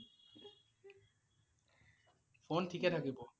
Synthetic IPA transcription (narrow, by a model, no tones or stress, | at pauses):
fonʈʰiket̪ʰakebo